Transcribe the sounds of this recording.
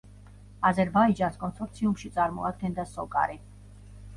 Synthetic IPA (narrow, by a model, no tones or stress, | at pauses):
azɛɾbaid͡ʒanskʼɔnsɔɾt̪sʰiumʃit̪sʼaɾmɔ̰at̪ʰɛnd̪asɔkʼa̰ɾi